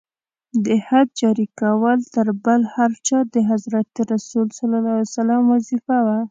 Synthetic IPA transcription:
d̪əhad̪̚d͡ʒɑɾikawəlt̪əɾbəlhaɾt͡ʃɑd̪əɦazɾat̪əɾasulsalɑlɑsalamwazifawa

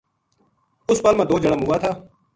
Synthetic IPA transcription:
ʊspaːlmãːd̪oːd͡ʒəɽəːmuːaːt̪ʰaː

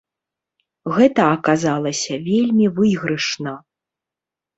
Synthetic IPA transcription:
ɣɛt̪ɐɐkazalˠɐsʲɐvʲelʲmʲivɨɣɾɨʂnɐ

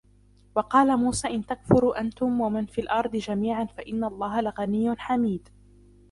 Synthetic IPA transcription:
wɑqɑːlamuːsaːʔɪnt̪akfʊɾuʔant̪ʊmwamɪnfiːlʔɑɾˤd̪ˤɨd͡ʒamiːʕanfaʔɪnːalˤːɑːhalaɣanɪjːʊnħamiːd̪

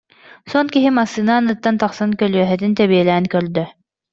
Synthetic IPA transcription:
sɔnkiɦimasinanɯt̪ːant̪ɑχsankœlyœɦɛt̪int̪ɛβiɛlɛːnkœɾd̪œ

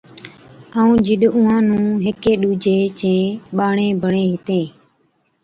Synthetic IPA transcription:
aːũːd͡ʒɪɗʊːãːnũːɦɪkeːɗuːd͡ʒeːt͡ʃẽːɓaːɳẽːbʱəɳeːɦɪt̪ẽː

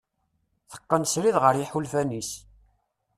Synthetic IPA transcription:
θə̥qːənsɾiðʁəɾjiħulfænis

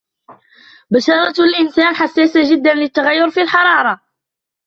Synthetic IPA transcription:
bæʃɑɾˤɑt̪lʔənsænħasːæsaʒəd̪ːænlət̪ːaɣæjːʊɾfilħɑɾˤɑɾˤɑ

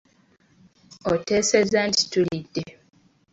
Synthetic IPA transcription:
otesezandstuɾidːe

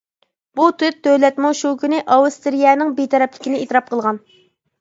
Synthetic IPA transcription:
b̥ut̪ʰyt̪ʰːølɛt̪muʃukʲynɪʔɑwust̪ɪɾijɛːnɪŋbet̪ʰɛɾɛplɪkʲinɪet̪ɾɑp̚qʰəlˠʁɑn

